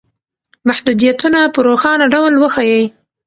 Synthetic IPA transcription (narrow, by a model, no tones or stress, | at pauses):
maħd̪ud̪ijat̪unapəɾoxɑnaɖawlwəxajaj